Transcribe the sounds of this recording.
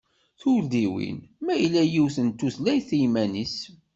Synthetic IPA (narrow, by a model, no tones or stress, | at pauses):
θuld̪iwḭnmæjlːæjiwθənt̪ːuθlæjθijmænis